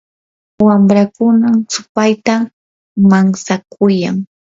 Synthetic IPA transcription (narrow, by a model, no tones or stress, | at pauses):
wamɾakʊnasʊpajt̪a | maŋsakʰʊjaŋ